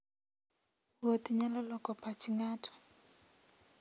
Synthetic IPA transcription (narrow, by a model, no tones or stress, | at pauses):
wot̪iɲalɔlɔkɔpat͡ʃiŋatʰɔ̥